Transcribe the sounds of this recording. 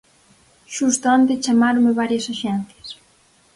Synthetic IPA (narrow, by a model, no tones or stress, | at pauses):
ʃust̪oant̪est͡ʃamaɾomɪβaɾjɐsoʃɛn̟θjɐs